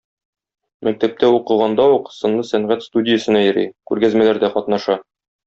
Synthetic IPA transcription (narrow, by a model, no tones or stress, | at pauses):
mæk̚t̪æp̚t̪æuqɤ̆ʁɑnd̪ɑuqsɤ̆nlˠɤsæɴʁæt̪st̪udʲɪjəsɤ̆næjɘ̆ɾḭkʉɾɡæzmælæɾd̪æqɒt̪nɑʃɑ